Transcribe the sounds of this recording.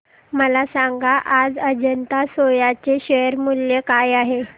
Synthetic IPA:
məlasaŋɡaʔad͡zəd͡ʑənt̪asojat͡seɕəjəɾmuljekajaɦe

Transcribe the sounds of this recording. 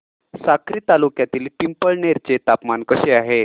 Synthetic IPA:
sakʰɾiːt̪alukjat̪iːlpimpəɭneɾt͡ɕt͡set̪apmankəɕeaɦe

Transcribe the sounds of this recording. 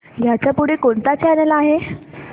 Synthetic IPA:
jat͡ɕjapuɽekoɳt̪at͡ɕanalaaɦe

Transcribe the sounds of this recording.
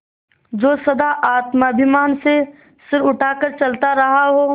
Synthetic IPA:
d͡ʒoːsɐd̪aʔaːt̪mabʱɪmaːnse | sɪɾʊʈʰaːkəɾt͡ʃɐlt̪aɾɐɦaɦoː

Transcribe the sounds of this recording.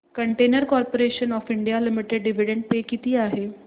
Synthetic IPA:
kəɳʈenəɾkɔɾpoɾeɕənɔfiɳɖijalimiʈeɖɖiʋ̤iɽẽɳɖ̚pekit̪iːaɦe

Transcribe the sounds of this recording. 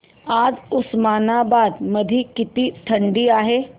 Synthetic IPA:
aːd͡ʒʊsmaːnabaːd̪mɐd̪ʱikɪt̪iʈ̪ʰɐ̃ɳɖiaːɦeː

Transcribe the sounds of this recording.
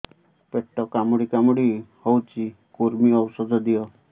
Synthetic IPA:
peʈːɔkamuɽikamuɽihowt͡ʃʰi | kuɾmiɔwsɔd̪ʱɔd̪ijɔ

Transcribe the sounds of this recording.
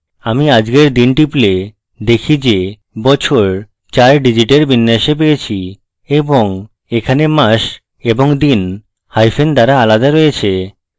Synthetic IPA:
amiad͡ʑɡeɾd̪inʈiple | d̪ekʰid͡ʑe | bɔt͡ɕʰoɾ | t͡ɕaɾɖid͡ʑiʈeɾbʱinːeaʃep̬ejet͡ɕʰi | eboŋ | ekʰanemaʃ | eboŋd̪in | hajfend̪aɾaalad̪aɾojet͡ɕʰe

